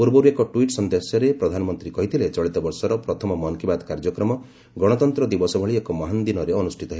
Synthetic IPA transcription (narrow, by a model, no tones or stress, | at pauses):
puɾbɔɾuekɔʈuiʈsɔnd̪esjɔɾepɾɔd̪ʱanɔmɔnt̪ɾikɔɦit̪ʰilet͡ʃɔɭit̪ɔbɔɾsɔɾɔpɾɔt̪ʰɔmɔmɔnkibad̪kaɾd͡ʒɔkɾɔmɔ | ɡɔɽ̃ɔt̪ɔnt̪ɾɔd̪ibɔsɔbʱɔɭiekɔmaɦand̪inɔɾeɔnusʈʰit̪ɔɦe